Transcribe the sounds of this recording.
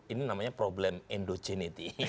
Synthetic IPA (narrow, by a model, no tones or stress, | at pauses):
ininamaɲapɾoblɛmɛndod͡ʒɛnit̪i